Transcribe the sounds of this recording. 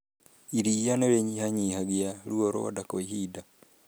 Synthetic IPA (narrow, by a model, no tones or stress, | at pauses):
iɾijanoɾeɲihaɲiːhaɡjaɾuoɾo̰wa̰dakoihida